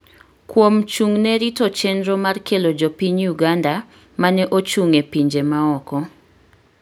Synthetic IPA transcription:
kwomt͡ʃuŋnɛɾitot͡ʃɛndɾɔmarkelod͡ʒopiɲjuɡanda | manɛʔot͡ʃuŋepiɲd͡ʒemaɔkɔ

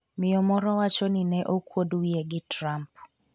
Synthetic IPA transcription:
mɪjɔmɔɾɔwat͡ʃɔnɪnɛʔokwoduijeɡɪtɾamp

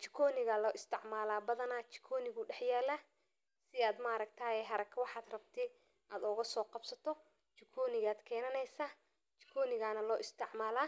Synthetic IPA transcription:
t͡ʃɪ̥kʰɔːnɪɣalɔːʔɪst̪ʰɪʕmaːlaːbɐðɐnaːt͡ʃɪ̥kʰɔːnɪɣʊɖɛħjɛːlaː | sɪaːd̪maːɾɐk̚t̪ʰaːjɛɦɐɾɐkʰɐwɑħaːd̪rɐbt̪ʰɛ | ʔaːd̪ʊɣɐsɔːqɑbsɐt̪ʰɔ | t͡ʃɪkʰɔːnɪɣaːd̪kʰɛːnɐnɛjsaː | t͡ʃɪ̥kʰɔːnɪɣaːnɐlɔːʔɪst̪ʰɪʕmaːlaː

